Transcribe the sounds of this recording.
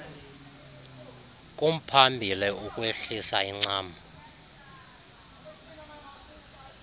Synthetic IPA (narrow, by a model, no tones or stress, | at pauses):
k̬ʼum̩pʰambʱiliukʼweɬisaiŋ͡ǀaːma